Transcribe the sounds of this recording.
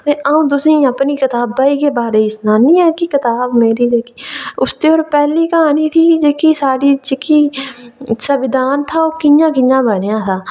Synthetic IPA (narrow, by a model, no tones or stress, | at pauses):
t̪eːʔaːũːt̪̬ʊsĩːapniːkɪt̪aːbːaːiːkeːbaːɾeːisnaːnĩːɛːkɪkɪt̪aːbmeːɾiːd͡ʒeːkiːʊst̪eːoːɾpɛːliːkəɦaːniːt̪ʰiːd͡ʒeːkiːsaːɽiːd͡ʒeːkiː | səʋɪd̪aːnt̪ʰaːoːkɪjãːkɪjãːbənejãːt̪ʰaː